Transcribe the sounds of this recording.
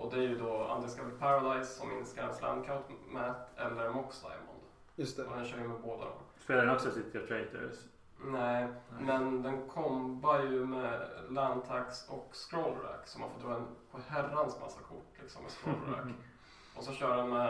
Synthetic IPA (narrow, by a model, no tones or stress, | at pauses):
ʔɔd̪ɛæɾjɵd̪ɔa̰nɪŋːəskavɛlpʰaɾad̪aɪsːɔmɪnskaɾɛ̰nslæ̰nd̪kʰaʊt̪mɛt̪ɛlːəɾmɔksd̪a̰ɪmɔ̰nd̪ | jst̪ɔd̪ɛnɕœːɾjəmɛboːd̪a̰d̪ɔ̰m | fœɖɛnɔksɔsɪt̪ʰːəat̪ʰɾet̪ə̰ɾs | nɛɪmɛnd̪ɛnkʰɔmbajɵmɛlænt̪ʰaksɔkskɾolɾæ̰ksɔmhaɾfɔt̪ʰːɾɑːd̪ɛnpʰɔhærːansma̰sːakʰʊʈːlɪksɔ̰mːɛskɾoːlɾæ̰k | ʔɔsɔɕœːɖɖɛnmɛ